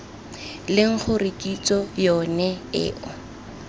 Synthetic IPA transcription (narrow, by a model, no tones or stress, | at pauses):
lɪŋ̩χʰʊrikʼit͡sɔjɔnɛɪ̰ːʔɔ